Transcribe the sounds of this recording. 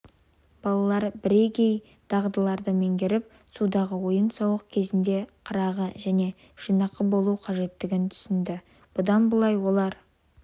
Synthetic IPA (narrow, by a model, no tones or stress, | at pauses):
b̥ɑlˠɑlˠɑɾbɪɾe̞kʲe̞j | d̪̥ɑʁd̪əlˠɑɾd̪əme̞ŋɡʲeɾɪp̚ | sud̪ɑʁəwo̞jənsɑwəq̚kʲʰe̞zɪnd̪e̞qʰəɾɑʁəʒæne̞ | ʒ̥ijnɑqːəbo̞lˠuqʰɑʒe̞t̪ːɪɡʲɪnt̪ʰʏ̥sɪnd̪ɪ | b̥ʊd̪ɑnbəlˠɑjwo̞lˠɑɾ